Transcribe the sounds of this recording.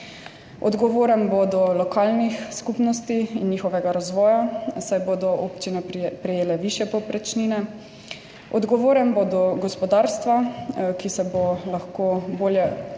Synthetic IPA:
ɔ̰d̪ɡɔʋoːɾənbɔd̪ɔlɔkaːlnixskupnɔst̪iinjixɔʋɛɡaɾazʋɔːjasajboːd̪ɔʔopt͡ʃinɛpɾɛjeːlɛʋiʃjɛpɔpɾɛt͡ʃninɛ | ɔ̰d̪ɡɔʋoːɾɛnbod̪ɔɡɔspɔd̪aːɾst̪ʋakisɛbolaxkoːboːljɛ

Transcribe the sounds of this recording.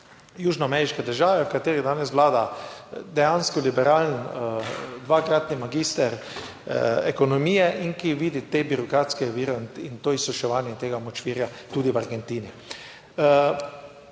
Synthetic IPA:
juːʒnɔamɛɾiʃkɛd̪əɾʒaːʋɛwkat̪eːɾid̪aːnɛs̬ʋlaːd̪ad̪ɛjaːnskɔlibɛɾaːlən | d̪ʋaːkɾaːt̪nimaɡiːst̪ɛɾ | ekonɔmijɛʔiŋkiʋiːd̪it̪ebiɾɔkɾaːt̪skɛʋiːɾɛnint̪oːisɔʃɛʋaːnjɛt̪eːɡamɔt͡ʃʋiːɾjat̪uːd̪iʋaɾɡɛnt̪iːni

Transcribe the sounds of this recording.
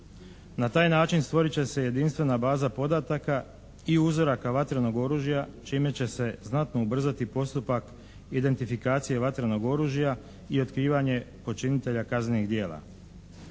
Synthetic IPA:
nat̪aːjnaːt͡ʃinst̪ʋo̞ɾit͡ɕe̞se̞je̞d̪inst̪ʋe̞nabaːzapo̞d̪at̪aka | iuzo̞ɾakaʋat̪ɾeno̞ɡo̞ɾuːʒjat͡ʃiːme̞t͡ɕe̞se̞znat̪no̞ubr̩zat̪ipo̞st̪upak | id̪e̞nt̪ifikaːt̪sije̞ʋat̪ɾeno̞ɡo̞ɾuːʒija | io̞t̪kɾiːʋaɲe̞po̞t͡ʃinit̪e̞ʎakazneniɣd̪je̞ːlˠa̰

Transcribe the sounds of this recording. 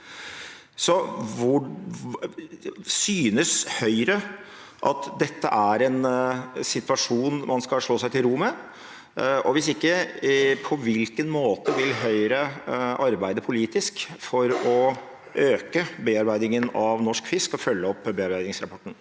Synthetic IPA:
sɔʋʊ | syːnəshœʏɾə | ʔɑt̪d̪ɛt̪ːəʔæɾɛnsɪt̪ʉʋɑʂuːnmɑnskɑʂɭoːsæɪt̪ɪlɾʊmə | ʔɔʋɪsɪkːəpʰɔʋɪlkənmoːt̪əʋɪlɦœʏɾəʔɑɾbæɪd̪əpʰʊliːt̪ɪskfɔɾɔ | ʔøːkəbeːɑɾbæɪd̪ɪŋənɑʋnɔʂkfɪskɔfœlːəɔpːbeːɑɾbæɪd̪ɪŋsɾɑpʰɔʈːn̩

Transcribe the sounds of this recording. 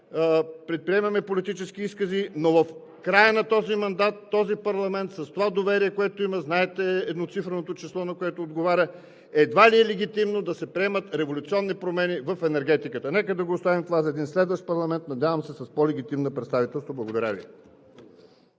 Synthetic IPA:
pɾɛt̪̚pɾiɛmɐmɛpolit̪it͡ʃɛsk̟iiskəzinovɐf | kɾajənɐt̪ɔzimɐnd̪at̪ːɔzipɐɾlˠɐmɛnt̪sɐst̪ovad̪ovɛɾiɛkoɛt̪oiməznaɛt̪ɛɛd̪not̪sifɾənot̪ot͡ʃislˠɔnɐkoɛt̪oːd̪ɡovaɾʲə | ɛd̪valiɛlɛɡ̟ʲit̪imnod̪ɐsɛpɾiɛmət̪ɾɛvolʲut̪siɔnːipɾomɛnivəfɛnɛɾɡɛt̪ikət̪ənɛkəd̪ɐɡoːst̪avimt̪ovazɐɛd̪inslɛd̪vəʃt̪̚pɐɾlˠɐmɛnt̪̚nɐd̪javɐmsɛsɐspɔlɛɡ̟it̪imnəpɾɛt̪st̪avit̪ɛlˠst̪voblˠɐɡod̪ɐɾʲa̰vḭ

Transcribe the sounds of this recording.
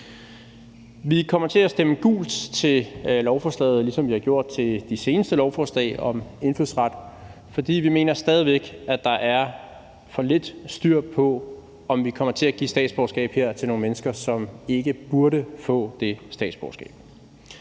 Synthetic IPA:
ʋikʰɒ̽m̰ɐt͡sʰe̝æsd̥eməɡ̥ṵːld̥t͡sʰe̝lɒʊfɒːslɛ̰ːð̩ˠlisɒ̽mʋihɑ̈ɡ̥jo̝ɐ̰d̥̚t͡sʰe̝d̥ise̝ːnəsd̥əlɒʊfɒsl̥ɛ̰ɪɒ̽me̝nflyðˠsʁɑ̈d̥ | fɒ̽d̥ḭːʋime̝ːnɐsd̥ɛːð̞ˠiʋeɡ̥æd̥ɑ̈ʔæɐ | fɒ̽le̝d̥sd̥yɐ̰pʰɒ̽ | ɒ̽mʋikʰɒ̽m̰ɐt͡sʰe̝æɡ̥ḭsd̥ɛ̰ːd̥sb̥ɒʊsɡ̥ɛ̰ːb̥he̝ɐ̰t͡sʰe̝lno̝ːŋnmenəsɡ̥ɐsɒ̽me̝ɡ̥əb̥uɐɾəfɔ̰̽ːd̥e̝sd̥ɛ̰ːd̥sb̥ɒʊsɡ̥ɛ̰ːb̥

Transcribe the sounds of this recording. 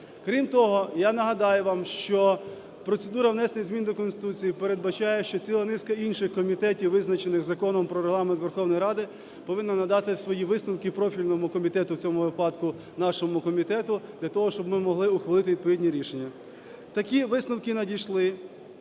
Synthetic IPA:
kɾʲimt̪ɔɦɔjanɐɦɐd̪ɑjʊʋɑmʃt͡ʃɔ | pɾɔt̪sed̪uɾɐwnɛsnɪɣzmʲind̪ɔkɔnst̪ɪ̥t̪ut͡sʲijipeɾed̪̚bɐt͡ʃɑjɛʃt͡ʃɔt͡sʲilˠɐnɪskɐinʃɪxkɔmʲit̪ɛtʲiwːʋɪznɐt͡ʃenɪxzɐkɔnɔmpɾɔɾeɦlˠɑment̪ʋerxɔwnɔjɾɑd̪ɪ | pɔʋɪnːɐnɐd̪ɑt̪ɪsʋɔjiʋɪsnɔwkɪpɾɔfʲilʲnɔmʊkɔmʲit̪ɛt̪ʊwt͡sʲɔmʊʋɪpɑd̪kʊ | nɑʃɔmʊkɔmʲit̪ɛt̪ʊd̪lʲɐt̪ɔɦɔʃt͡ʃɔbmɪmɔɦlˠɪʊxʋɐlˠɪt̪ɪʋʲid̪̚pɔʋʲidʲnʲiɾʲiʃenʲːɐ | t̪ɐkʲiʋɪsnʊwkɪnɐdʲijʃlˠɪ

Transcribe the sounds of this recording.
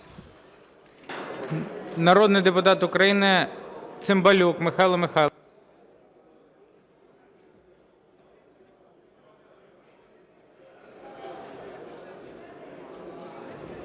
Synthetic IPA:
nɐɾɔd̪nɪjd̪epʊt̪ɑt̪ʊkɾɐjinɪt̪sɪmbɐlʲukmɪxɑlˠɐmɪxɑ

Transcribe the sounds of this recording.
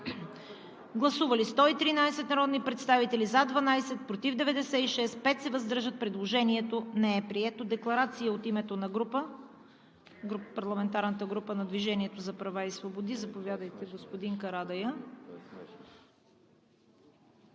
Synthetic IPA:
ɡlˠɐsuvɐlist̪ɔit̪ɾinajsɛt̪nɐɾɔd̪nipɾɛt̪st̪avit̪ɛlizad̪vɐnajsɛt̪̚pɾot̪ivd̪ɛvɛd̪ɛsɛiʃɛspɛt̪sɛvɐzd̪ɤɾʒət̪̚pɾɛd̪lˠoʒɛniɛt̪onɛɛpɾiɛt̪od̪ɛklˠɐɾat̪sijəot̪imɛt̪onɐɡɾupə | ɡupɐɾlˠɐmɛnt̪aɾnət̪əɡɾupənɐd̪viʒɛniɛt̪ozɐpɾɐvaisvobod̪izɐpovʲjad̪əjt̪ɛɡospod̪iŋkɐɾad̪ɐjə

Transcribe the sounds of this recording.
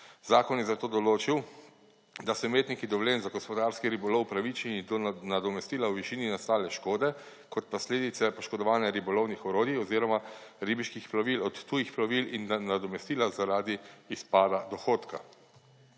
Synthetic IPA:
zaːkɔnjɛzat̪oːd̪ɔloːt͡ʃiw | d̪asɔmeːt̪nikid̪ɔwleːnzaɡɔspɔd̪aːɾskiɾibɔlɔwpɾaʋit͡ʃnid̪ɔnad̪ɔmɛst̪iːlawʋiʃiːninast̪aːlɛʃkoːd̪ɛ | kɔt̪̚pɔsleːd̪it̪sɛpɔʃkɔd̪ɔʋaːnjaɾibɔlɔwnixɔɾoːd̪jiɔziːɾɔmaɾibiʃkixplaʋilɔt̪ːujixplɔʋilinːanad̪ɔmɛst̪iːlazaɾaːd̪iːspaːd̪ad̪ɔxoːt̪ka

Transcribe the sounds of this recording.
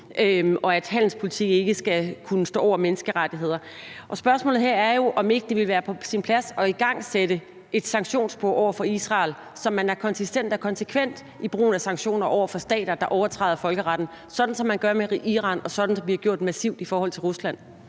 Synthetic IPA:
ɒ̽æd̥hæn̰l̩spʰo̝lit͡sʰiɡ̥e̝ɡ̥əsɡ̥ækʰunəsd̥ɔ̰ːɒ̰ʊɐmenəsɡ̥əʁad̥iɦe̝ð̞̰ˠɐ | ʔɒ̽sb̥ɶɐsmɔ̰ːlð̩ˠɦe̝ɐ̰æɐjo̝ʔɒ̽me̝ɡ̥əd̥e̝ʋe̝lʋæːɐpʰɒ̽sinpʰlæsɒ̽iɡ̥ɑ̈ŋ̰sed̥ə | e̝d̥sɑ̈ŋɡ̥ɕo̝̰ːnsb̥oɐ̰ɒʊɐfɒ̽isʁɑ̈ːl | sɒ̽mːænæɐkʰɒ̽nsisd̥en̰d̥ɒkʰɒ̽nsəkʰʋen̰d̥ | ib̥ʁṵːn̩æsɑ̈ŋɕo̝̰ːnɐʔɒʊ̰ɐfɒ̽sd̥ɛ̰ːd̥ɐd̥ɑ̈ʔɒʊɐt͡sʰʁɑ̰̈ɪðˠɐfɒ̽lɡ̥əʁɑ̈d̥n̩ | sɒ̽d̥n̩sɒ̽mːænɡ̥ɶɐmeʁiʔiʁɑ̰̈ːnɒ̽sɒ̽d̥n̩sɒ̽mʋihɑɡ̥jo̝ɐ̰d̥mæsiʊ̰d̥ifɒːhɒ̽l̰t͡sʰe̝lʁuslæn̰

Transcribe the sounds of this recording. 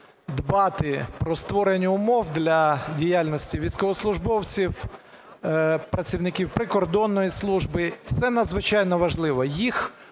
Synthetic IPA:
d̪bɑt̪ɪpɾɔst̪ʋɔɾenʲːɐʊmɔwd̪lʲɐdʲijalʲnɔsʲtʲiʋʲijsʲkɔʋɔslˠʊʒbɔwt͡sʲiw | pɾɐt͡sʲiwnɪkʲiwpɾɪkɔrd̪ɔnːɔjislˠuʒbɪt̪sɛnɐd̪zʋɪt͡ʃɑjnɔʋɐʒlˠɪʋɔjix

